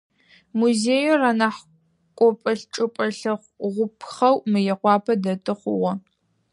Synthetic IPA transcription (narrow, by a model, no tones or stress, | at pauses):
muzeːjoraːnaħ | kʷʼɔpʼɐɬʈ͡ʂʼɨpʷʼɐɬɨχʷʁʷʊpʰχɐwmɨjɛqʷɑːpʰɐdɐtʼɨχʷʊwɐ